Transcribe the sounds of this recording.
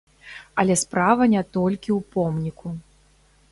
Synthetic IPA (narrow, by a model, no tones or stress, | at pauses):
ɐlʲɛspɾavɐnʲɛt̪ɔlʲkʲiwpɔmnʲikʰu